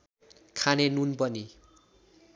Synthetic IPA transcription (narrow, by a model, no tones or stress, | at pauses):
kʰanenunpʌni